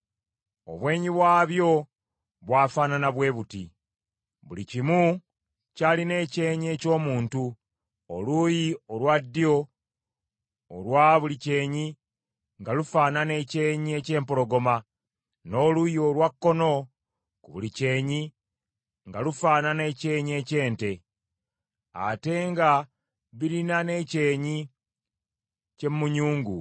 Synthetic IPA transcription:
o̞̰βwe̞ːɲiβwaːβjo̞ | βwaːfaːnanaβwe̞ːβuti | βulicimu | caline̞ːce̞ːɲie̞ːco̞ːmuːntu | o̰lujiolwadːio̞ | lwaːβulice̞ːɲi | ŋɡalufaːnane̞ce̞ːɲie̞ce̞ːmpo̞lo̞ɡo̞ma | no̞ːlujolwakːo̞no̞ | kuβulice̞ːɲi | ŋɡalufaːnane̞ce̞ːɲie̞ce̞ːnte̞ | a̰te̞ŋɡa | βiɾinane̞ce̞ːɲi | cemːuɲuːŋɡṵ

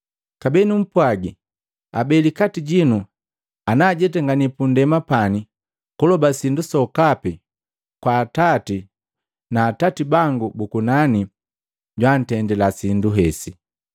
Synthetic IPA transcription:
kabɛnum̩pwaɡi | abɛlikatiɟinu | anaːɟɛtɛŋɡanipundɛmapani | kulɔbasindusɔkapi | kwaːtati | naːtatibaŋɡubukunani | ɟwan̩tɛndɛlasinduɦɛsi

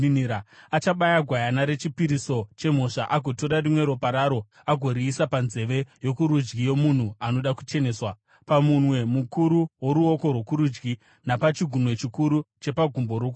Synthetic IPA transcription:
aat͡ʃaɓajaɡʱwajanaɾe̞t͡ʃipiɾiso̞t͡ʃe̞m̤o̞ʂaʔaɡʱo̞toɾarimwe̞ɾopaɾaɾo̞ | aɡʱo̞ɾiːsapanze̞ʋe̞jo̞kuɾud͡ʒɡijo̞mun̤uano̞ɗaku̥t͡ʃe̞neːswa | pamunwe̞mukuɾuwo̞ɾuo̞ko̞rwo̞kuɾud͡ʒɡi | napat͡ʃiɡʱunwe̞t͡ʃikuɾut͡ʃe̞paɡʱumbo̞ɾoku

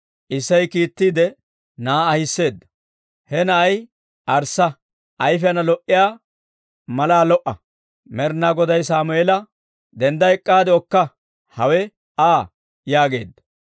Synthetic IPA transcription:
ʔɪsːɐjkiːt̪ːiːd̪ɛ | naːhɪsːe̞ːd̪ːɐ̥ | hɛnɐʔɐj | ʔɐɾsːɐ | ʔɐjfɛɐnɐlɔʔːɪjaː | mɐlaːlɔʔɐ | mɛɾnaːɡɔd̪ɐjsaːmʊɛlɐ | d̪ɛnd̪ɐɛkʼːaːd̪ɛɔkːɐ | hɐwɛ | aː | jaːɡe̞̰ːd̪ːɐ̥

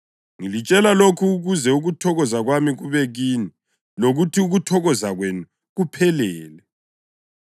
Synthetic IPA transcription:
ŋilit͡ʃʼɛlalokʰuːɣuzɛuɣutʰɔɣɔzaɣwamiɣuβɛɣiːni | loɣutʰiuɣutʰɔɣɔzaɣwenu | ɣupʰɛlɛːlɛ

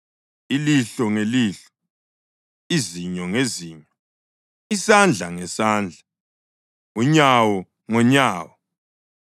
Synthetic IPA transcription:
iliɬɔŋeliːɬɔ̥ | iziɲɔŋeziːɲɔ | isand͡ɮʱaŋɛsaːnd͡ɮʱa | ŋuɲawɔ | ŋɔɲaːwɔ

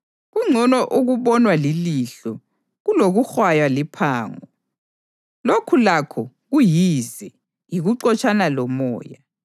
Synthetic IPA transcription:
ɣuŋ͡ǀʱɔnɔʔuɣuβɔnwaliliɬɔ | ɣuloɣuxwajwalipʰaːŋɔ | lokʰulakʰɔ | ɣujizɛ | jiɣuǀɔt͡ʃʼanalɔmɔ̰ːja

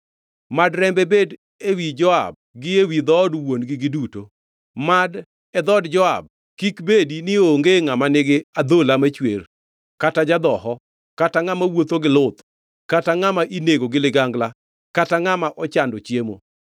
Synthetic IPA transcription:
madɾɛmbebed | ewid͡ʒɔa̰b̚ɡɪewid̪ɔdwonɡɪɡɪduto | mad | ɛd̪ɔdd͡ʒɔa̰b̚ | kikbedinɪoŋɡeŋamanɪɡɪad̪olamat͡ʃwer | katad͡ʒad̪ɔɦɔ | kataŋamawot̪oɡɪlʊt̪ | kataŋamaʔineɡoɡɪlɪɡaŋɡla | kataŋamaʔɔt͡ʃandot͡ʃjemo̰

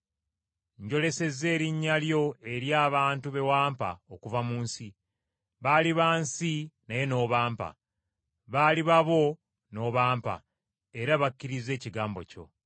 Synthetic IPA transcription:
ɲɟo̞le̞se̞ze̞ːɾiɲːaljo̞e̞ɾjaːβaːntuβe̞waːmpa̰okuvamuːnsi | βaliβaːnsinaje̞no̞ːβaːmpa̰ | βaliβaβo̞ | no̞ːβaːmpa̰ | e̞ɾaβakːiɾize̞ːciɡaːmbo̞̰co̞̰

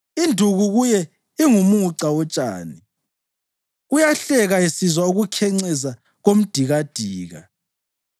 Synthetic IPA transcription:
indʱuɣuɣujɛ | iŋumuǀawɔt͡ʃʼa̰ːni | ujaɬɛɣaisizwauɣukʰɛŋ͡ǀɛza | ɣom̩d̥ʱiɣad̥ʱiːɣa̰

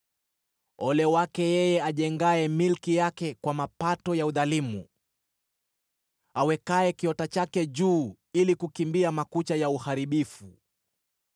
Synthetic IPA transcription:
ɔlɛwakɛjɛjɛaʄɛŋɡaɛmilkijakɛkwamapatɔjauðalimu | awɛkaɛkiɔtat͡ʃakɛʄuː | ilikukimbiamakut͡ʃajauhaɾiɓifu

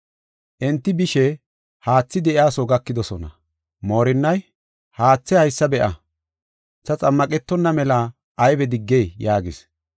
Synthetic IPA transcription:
ʔɛnt̪ːɪbɪʃɛ | haːt͡sːɪd̪ɛʔɪaːsoɡɐkːɪd̪ɔsɔnɐ̰ | mo̞ːɾɪnːɐj | haːt͡sːɛhɐjsːɐbɛʔɐ | t͡sːɐt͡sʼɐmːɐkʼɛt̪ːɔnːɐmɛla | ʔɐjbɛd̪ɪɡːejjaːɡɪs

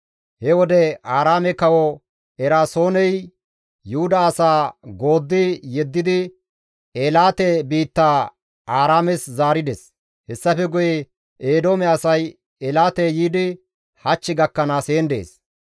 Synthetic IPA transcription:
hɛwɔd̪ɛaːɾaːmɛkɐwɔ | ɛɾaːso̞ːnɛj | jʊhʊd̪ɐːsaːɡo̞ːd̪ːɪjɛd̪ːɪd̪ɪ | eːlaːt̪ɛbiːt̪ːaː | aːɾaːmɛszaːɾɪd̪ɛs | hɛsːɐfɛɡʊjɛ | eːd̪o̞ːmɛɐsɐj | ɛlaːt̪ɛjiːd̪ɪ | hɐt͡ʃːɪɡɐkːɐnaːseːnd̪ḛːs

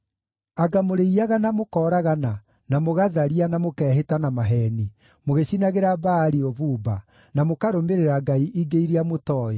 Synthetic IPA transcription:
aɡamoɾeiaɣanamokɔːɾaɣana | namoɣaðaɾianamokɛːɦetanamaɦɛni | moɣeɕinaɣeɾabaːɾiɔβuːba | namokaɾomeɾeɾaɡaiʔiɡeiɾiamotɔɔ

